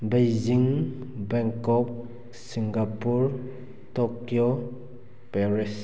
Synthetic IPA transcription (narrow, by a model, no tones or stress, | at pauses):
bejziŋbɛŋkɔp̚ | siŋɡapuɾ | tokjo | pɛɾis